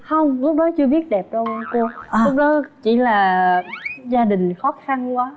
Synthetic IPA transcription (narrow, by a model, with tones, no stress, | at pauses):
hə˧wŋ͡mlʊ˦˥k͡p̚ɗɔ˨˦t͡ɕɨ˧əɓi˦˥ət̚ɗɛ˨˩p̚t͡ɕɔ˧ɓaː˧nko˧əlʊ˦˥k͡p̚ɗɔ˨˦t͡ɕḭ˧˩laː˨˩ | zaː˧ɗï˨˩ŋ̟xɔ˨˦xa˧nkwaː˨˦